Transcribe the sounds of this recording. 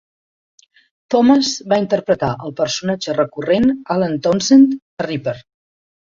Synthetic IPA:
t̪ɔməzbaint̪əɾpɾət̪aʔəlˠpəɾsunad͡ʒərəkurenalənt̪ɔnsent̪ | əripəɾ

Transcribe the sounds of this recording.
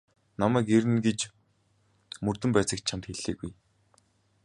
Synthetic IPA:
namæːkeɾɘ̆nɡet͡ɕ | mɵrt̪ɵ̆mpæːt͡sə̆k̪̚t͡ɕʰamt̪xeɮeːɣuj

